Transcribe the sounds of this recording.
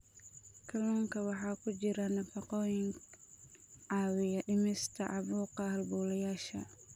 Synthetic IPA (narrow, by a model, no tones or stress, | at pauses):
kʰɐlɔːŋkʰɐwɑħɑːkʰʊt͡ʃɪɾɐnɐfɑqɔːjɪŋ | ʕɑːwɪjɐɗɪmɛst̪ʰɐʕɑβuːqɑhɐlbuːlɐjaːʃɐ̰